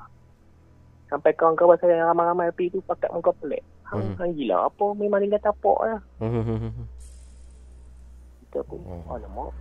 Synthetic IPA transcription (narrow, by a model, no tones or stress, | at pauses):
sampajkawəŋkawbaʔsajaaɾamajɾamajapit̪upaka̰tʔ̚mukapəlɛ̰ʔ | haŋhaŋɡila̰a̰pəmemaŋd̪iŋɡat̪apɔ̰ʔlah | kit̪əpʊnkanamɔʔ